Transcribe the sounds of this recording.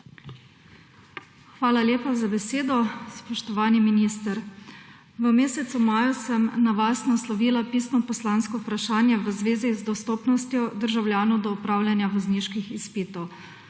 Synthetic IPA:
xʋaːlaljeːpazabɛseːd̪ɔspɔʃt̪ɔʋaːniminiːst̪əɾ | ʋəmeːsɛt̪sumaːjusəmnaʋaːsnɔslɔʋiːlapiːsnɔpɔslanskɔupɾaʃaːnjɛʋəzʋeːzizd̪ɔst̪oːpnɔst̪jɔd̪əɾʒawljaːnɔwd̪ɔupɾaːwljanjaʋɐzniːʃkixispiːt̪ɔw

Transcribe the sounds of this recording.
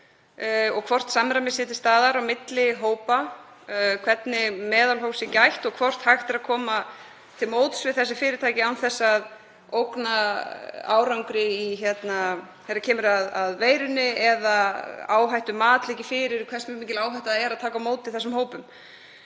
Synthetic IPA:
ɔɣkʰvɔr̥t̪samɾamɪsɪːt̪ɪst̪aːðaɾawmɪt̪lɪɦoːwpa | kʰv̥ɛt̪nɪmɛːðalɦowsɪcajht̪ɔɣkʰv̥ɔr̥t̪haxt̪ɛɾaðkʰɔːma | t̪ʰɪlmoːwt̪svɪðθɛs̬ːɪfɪːɾɪɾt̪ʰaːjcɪawnθɛsːað | owkna | a̰ːwɾawŋkɾɪiçɛt̪na | θɛt̪ːacʰɛːmʏɾaðaðveːjɾʏnːɪɛðaa̰ːwɦajht̪ʏmaːt̪licɪfɪːɾɪɾkʰvɛrsmmiːcɪlaːwɦajht̪aðɛɾaðt̪ʰaːkamoːwt̪ɪθɛsːʏmhoːwpʏm

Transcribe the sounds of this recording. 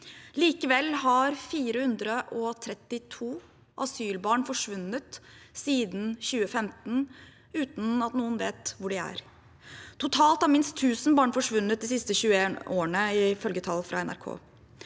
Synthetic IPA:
liːkəʋɛlːɦɑɾfiːɾəhʉnd̪ɾəʔɔt̪ʰɾɛt̪ːɪt̪ʰuː | ʔɑsyːlbɑːɳfɔʂʋʉnət̪siːd̪n̩çʉːəfɛmt̪n̩ | ʉːt̪n̩ɑt̪nuːənʋeːt̪ʋʊɖɪæ̰ɾ | t̪ʰʊt̪ʰɑːlt̪ɑɾmɪnst̪ʰːʉːsn̩bɑːɳfɔʂʋʉnːət̪̚d̪ɛsɪst̪əɕʉːəeːnoːəɳəɪfœlɡət̪ʰɑlːfɾʔɑ̰ɛnæ̰ɾkʰo̰ː

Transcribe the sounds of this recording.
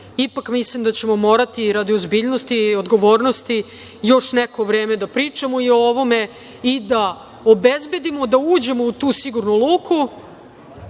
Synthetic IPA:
ipakmislimd̪at͡ɕe̞mo̞mo̞ːɾat̪iɾad̪iozbiːʎnost̪iod̪ɡo̞ʋo̞ːɾnost̪i | jo̞ʂnekoʋɾe̞ːme̞d̪apɾiːt͡ʂamoiooʋo̞me̞ | id̪a | obezbe̞d̪imo̞d̪auːd͡ʑe̞mo̞ut̪uːsiɡuɾnulˠuːkʰu

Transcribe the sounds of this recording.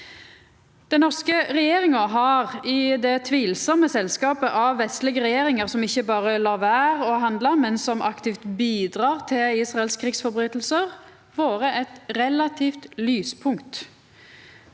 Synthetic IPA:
d̪̥ɛnɔʁskəʁɛjeːʁɪŋɑɦɑʁɪd̪ɛt̪ʰʋiːlsɔməsɛlskɑːpəʔɑʋːɛst̪lɪɡəʁɛjeːʁɪŋəʁsɔmɪçːəbɑːʁəlɑːʋæːʁɔɦɑnd̪lɑmɛnsɔmʔɑkt̪iːft̪biːd̪ʁɑːʁt̪ʰɪliːsʁɑɛlskʰʁɪksfɔʁbʁyːt̪l̩səʁ | ʋoːʁəʔɛt̪ʁɛlɑt̪ʰiːft̪lyːspʰʊŋkt̪

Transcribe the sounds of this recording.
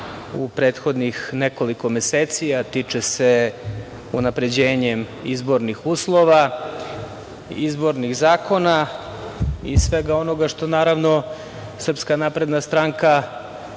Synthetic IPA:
upɾe̞ːt̪xo̞d̪nixneko̞liko̞meseːt̪sijat̪it͡ʂese̞ | unapɾe̞d͡ʑeːɲemizbo̞ɾnixuːslˠo̞ʋa | izbo̞ɾniɣzaːko̞na | ḭsʋe̞ɡao̞no̞ɡaʃt̪o̞naːɾaʋno̞ | sr̩pskanapɾe̞d̪nast̪ɾaŋka

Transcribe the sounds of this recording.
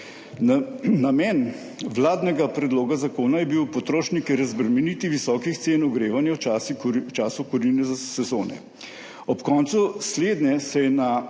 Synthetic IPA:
namɛːn | ʋlaːd̪nɛɡapɾɛd̪loːɡazakoːnajɛbiwpɔt̪ɾoːʃnikɛɾɛzbɾɛmɛniːt̪iʋisɔːkixt̪seːnɔɡɾeːʋanjaw | t͡ʃaːsukuɾinɛzasɛzoːnɛ̰ | ɔpkɔːnt̪susleːd̪nɛsɛjɛna

